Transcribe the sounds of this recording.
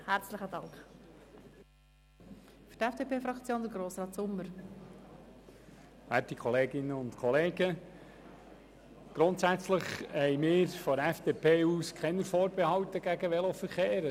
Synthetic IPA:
hæɾt͡sləχədɑŋkχ | fy̥ɾtɛfd̥epʰeːfɾɑkt͡sjoːnd̪əɾɡɾoːsrɑːtsʊmːəɾ | æ̰ːtikʰɔleːɡɪnəʊntkʰɔleːɡə | ɡ̥ɾʊntsæt͡sləχhɛjmɪːɾfɔɾɛfd̥epʰeːuːskχɛnəɾfoːɾbehɑwtəɡ̥æɡəʋɛlofəɾχeːɾə

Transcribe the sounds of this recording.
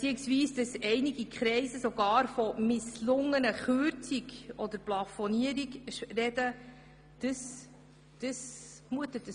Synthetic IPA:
t͡siəksviːsd̥əsɛɪniɡikχɾɛɪsəsoɡ̥ɑːɾfɔmɪslʊŋːənəχøɾt͡siɡɔd̪əɾplɑfɔniəɾiɡʃrɛdə | d̥əs | d̥əs | muətət̚də

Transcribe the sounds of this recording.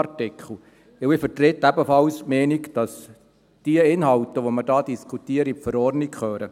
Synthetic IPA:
tɪkχl̩ | ɪɪfəɾtɾetːæbəfɑlsmɛːnikd̥ɑs | d̥iəɪnɦɑlt̪əʋomədɑːd̥iskʰutiəɾipfəɾɔrnikχøːɾə

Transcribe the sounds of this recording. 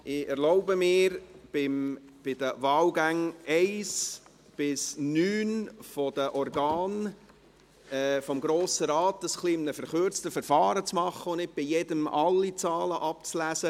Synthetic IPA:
ʔɪɛɾloʊbəmɪːɾbɪm | b̥ɪd̥̪əʋɑːlɡæŋɛɪs | b̥ɪsnyːnfɔd̥̪əʔɔɾɡɑːn | ɛːfɔmɡɾoːsəɾɑːt̪əsχlimnəfəɾχøɾt͡stəfɛɾfɑːɾət͡smɑχːəʊnnɪt̚b̥ijɛdəmʔɑlːit͡sɑːləʔɑpt͡slæsə

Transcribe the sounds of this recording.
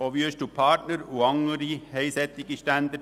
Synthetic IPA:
ɔʋjøːʃtupʰɑtnəɾuɑŋəɾiheɪsɛt̪ːɪɡiʃtænd̪ə

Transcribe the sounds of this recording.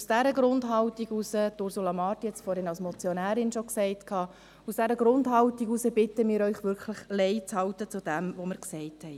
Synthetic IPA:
usd̥æɾəɡɾʊndɦɑwtiɡusətʊɾsulɑmɑːtiɛt͡sfɔɾhɪnɑlsmɔt͡sjɔnæːɾɪnʃoksɛɪtkʰhɑː | usd̥æɾəɡɾʊndɦɑwtiɡusəb̥ɪtəmɪːɾœʏχʋʏɾkʰləχlɛɪt͡shɑwtət͡sud̥ɛmʋoməɾksɛɪthɛɪ

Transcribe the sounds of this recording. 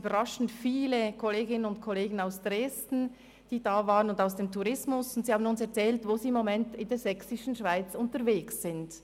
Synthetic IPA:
b̥ɐʁaʃn̩tfiːlekʰɔleːɡɪnənʊntkʰɔleːɡən̩aʊsd̥ʁeːstn̩ | d̥iːdaːvaːʁənʊndaʊsd̥eːmtʰuʁɪsmʊsʊntsihaːbənʊnsɛɐt͡sɛːltvoːziːɪmːomɛntɪndeːɐzɛksɪʃn̩ʃv̥aɪt͡sʊntəɾveːksːɪnd

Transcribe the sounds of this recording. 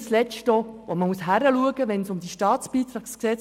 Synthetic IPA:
slɛt͡ʃtɔʋɔməmuəsɦæɾəluəɡəʋɛnsʊmd̥̪iʃtɑːt͡sbiːt̪ɾɑːksksɛt͡s

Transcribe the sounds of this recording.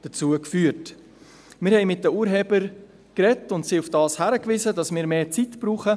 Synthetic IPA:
d̥ət͡suəkfyːəɾt | mɪːɾhɛɪmɪt̚d̥əuːəɾɦɛːbəɾ | krɛtʊntsiʊfd̥ɑːshæɾəkvizədɑsmɪːɾmeːt͡sitb̥ɾuːχə

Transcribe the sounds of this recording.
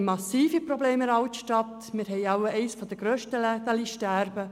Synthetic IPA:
mɑsiːfipɾɔbleːmɾɑwt̪ʃtɑt̪ | mɪːɾɦɛɪjɑwɛɪsfɔd̪əɡɾøːʃtəlɛt̪ɑliʃtæɾbə

